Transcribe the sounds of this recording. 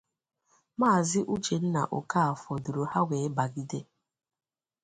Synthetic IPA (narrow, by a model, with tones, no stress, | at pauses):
maː˦˨zɪ˦ʔu˦t͡ʃe˨n̩˦na̰˨ʔo˨ka˦a˨fɔ˨du˨ɾo˨ha˦wʷe˨˦ba˨ɡi˦de˦